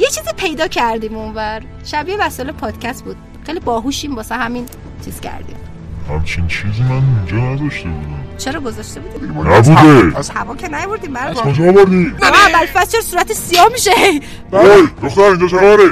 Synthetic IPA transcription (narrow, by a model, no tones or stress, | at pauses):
jet͡ʃʰiːzipʰe̞jd̪ɒːcʰæɾd̪iːmonvæɾ | ʃæbijevæsɔelepʰɒːd̪̥cʰæst̪̚buːd̪̥ | xejlibɒːɦuʃimbɒːsænhæmin | t͡ʃʰiːz̥cʰæ̰ɾd̪ḭːm | hæmt͡ʃʰint͡ʃʰizimænind͡ʒɒːnæd̪ɒʃt̪ebud̪æmt͡ʃʰeɾɒːɡozɒːʃt̪ebuːd̪iːinæbud̪ezhævɒːkʰenæjovoɾd̪iːmæod͡ʒɒːvoɾd̪imænæbælfæt̪t͡ʃʰeɾsuːɾæt̪ʰesijɒːhmiʃehej | bæjd̪oxt̪æɾĩnd͡ʒɒt͡ʃʰenɒɾe